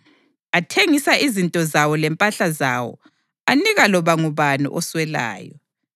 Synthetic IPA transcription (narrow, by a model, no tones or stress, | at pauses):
atʰeŋisaʔizintʼɔzawɔlɛmpʼaɬazawɔ̰ | aniɣalɔβaŋuβanṵʔɔswɛla̰ːjɔ̰